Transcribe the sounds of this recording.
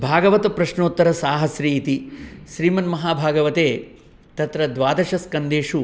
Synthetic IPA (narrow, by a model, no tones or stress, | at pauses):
bʱaːɡɐʋɐt̪ɐpɾɐʃnoːt̪ːɐɾɐsaːɦɐsɾiːt̪iʃɾiːmɐnmɐɦaːbʱaːɡɐʋɐt̪eː | t̪ɐt̪ɾɐd̪ʋaːd̪ɐʃɐskɐnd̪eːʃu